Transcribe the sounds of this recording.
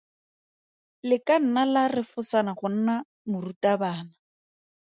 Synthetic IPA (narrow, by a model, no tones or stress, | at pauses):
lɪkan̩nalarɪfʊsanaχʊn̩na | mʊrutabaːna